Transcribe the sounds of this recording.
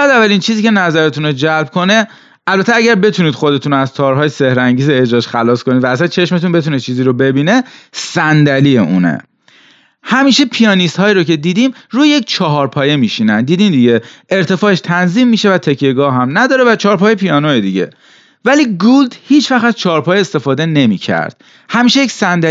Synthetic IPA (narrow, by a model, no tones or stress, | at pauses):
æzævːælint͡ʃʰiːziːce̞næzæɾe̞t̪unod͡ʒælb̚kʰo̞ne̞ | ʔælbæt̪ʰeæɟæɾbe̞t̪ʰuniːd̪xo̞d̪e̞t̪ʰunoæzt̪ʰɒːɾɦɒːjese̞hɾæŋɟiːzeːd͡ʒɾɒːʃxælɒːskonid̪væːsænt͡ʃʰe̞ʃme̞t̪unbe̞t̪ʰunet͡ʃʰiːziːɾobe̞biːne̞sænd̪ælijeʔṵːnḛ | hæmiːʃepʰijɒːnist̪hɒːiɾoce̞d̪iːd̪iːmɾuːjeject͡ʃʰɒɦɒːɾpʰɒːje̞miʃiːnænd̪iːd̪imd̪iɟe̞e̞ɾt̪ʰe̞fɒːeʃt̪ʰænziːmːiːʃe̞væt̪ʰe̞cʰːeɡɒːɦæmnæd̪ɒːɾevæt͡ʃʰɒːɾpʰɒːjjepʰijɒːnojed̪iɟe̞̰ | væliːɡuld̪hiːt͡ʃʰvæxæz̥t͡ʃʰɒːɾpʰɒːjeest̪e̞fɒːd̪e̞ne̞miːcʰæ̰ɾd̪̥̚ | hæmiːʃejeksænd̪æ